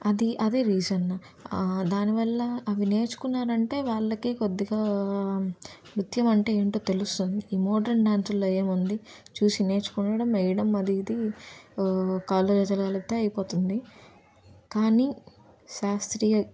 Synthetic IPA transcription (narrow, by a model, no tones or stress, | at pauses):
ɐd̪iʔɐd̪eːɾiːd͡ʒɐn | d̪aːniʋɐlːɐɐʋine̞ːt͡ʃu̥kunːaːɾɐɳʈe̞ːʋaːɭːɐkikod̪ːiɡaː | mɾut̪jɐmɐɳʈe̞ːeɳʈoːt̪e̞lust̪und̪iːmoːɖɐɾɳɖaːnsulːoːe̞ːmund̪i | t͡ʃuːsine̞ːt͡ʃu̥kunːɐːɽɐmɐjɐɽɐmɐd̪iːd̪i | kaːlːod͡ʒɐd͡ʒɐlɐɡɐlɐt̪eːɐjɐpo̞ːt̪und̪i | kaːni | ʃaːst̪ɾiːjɐ